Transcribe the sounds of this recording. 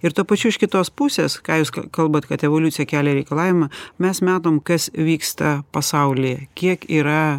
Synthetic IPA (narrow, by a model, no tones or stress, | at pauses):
ɪɾt̪upɐt͡ʃʲuɪʃkʲɪt̪oːspusʲeːskɑːjuːskkɐlˠbɐt̪kɐt̪ɛʋoːlʲut̪sʲɪjɛkʲæːlʲɛɾʲɛɪkɐlˠɑːʋʲɪmɐmʲɛsmʲæːt̪oːmkɐsʋʲiːkst̪ɐpɐsɐʊlʲɪjɛkʲiɛkiːɾɐ